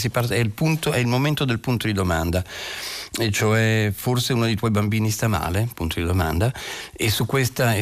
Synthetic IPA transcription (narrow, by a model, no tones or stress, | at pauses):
s̬iparɛilpunt̪oɛilmoment̪od̪elpunt̪od̪id̪omand̪a | ɛt͡ʃoɛforseuːnod̪eit̪wɔjbambiːnist̪ama̰ːlepunt̪ʰod̪id̪oma̰nd̪aesːukːwest̪a